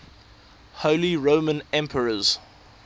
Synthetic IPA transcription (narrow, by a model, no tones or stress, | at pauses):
hoʊliɹõʊmə̃nɛ̃mpʰəɹəz̥